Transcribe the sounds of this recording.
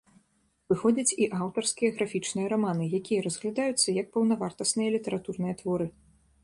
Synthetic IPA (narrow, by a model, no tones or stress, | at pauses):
vɨxɔd͡zʲɐt͡sʲiʔawt̪ɐrskʲijɐɣɾafʲit͡ʂnɨjɐɾamanɨjakʲijɐɾɐzɣlʲad̪ajut̪sːɐjɐk̚pɐwnɐvart̪ɐsnɨjɐlʲit̪ɐɾat̪urnɨjɐt̪vɔɾɨ